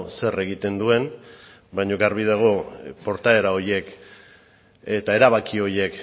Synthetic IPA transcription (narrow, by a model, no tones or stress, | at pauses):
se̞re̞ɣit̪e̞nd̪ue̞n | bajɲo̞ɡaɾβiðaɣ̞o̞po̞ɾt̪ae̞ɾao̞ɾje̞k | e̞t̪ae̞ɾaβakio̞ɾje̞k